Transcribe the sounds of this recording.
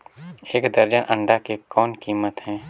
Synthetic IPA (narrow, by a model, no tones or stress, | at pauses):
eːkd̪əɾd͡ʒənʔə̃ɳɖakekɔːnkiːmət̪hɛ̃ː